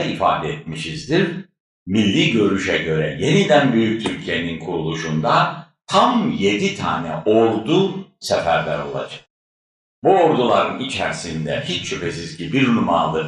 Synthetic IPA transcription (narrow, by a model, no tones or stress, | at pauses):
ifa̰ːd̪ɛɛt̪̚miʃizd̪iɾ | milʲːiːɟø̞ɾyʃɛɟø̞ɾɛje̞nid̪ænbyjyc̚t̪ʰyɾcʰije̞ninkʰuɾulˠuʃund̪at̪ʰamje̞d̪it̪ʰa̰ːnɛ̰ʔolˠd̪uːsɛfæɾlʲæ̰ɾo̞̰lˠa̰d͡ʒḁk | buo̞ɾd̪ulˠaɾɯnit͡ʃʰæɾsind̪ɛ̰hit͡ʃʃypʰesizcibiɾnuma̰ːlˠɯ